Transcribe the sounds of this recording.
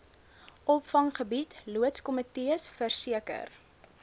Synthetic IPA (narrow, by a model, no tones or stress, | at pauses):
ʔɔpfɐŋχəbitluətskɔmətiəsfərsiəkə̰r